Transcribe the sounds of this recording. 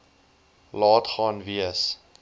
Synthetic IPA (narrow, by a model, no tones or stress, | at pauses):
lɑːtχɑːnviəs